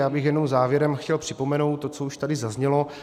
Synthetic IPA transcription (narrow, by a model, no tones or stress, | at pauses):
jaːbɪxjɛdnowzaːvjɛɾɛmxcɛlpr̝̥ɪpo̞mɛnowt̪ːot͡souʃt̪adɪzazɲɛlo̞